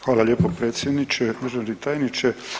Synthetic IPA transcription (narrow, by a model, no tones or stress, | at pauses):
xʋaːlalʲjeːpopɾet̪sʲjed̪nit͡ʃemeʒanɾit̪aːjnit͡ʃe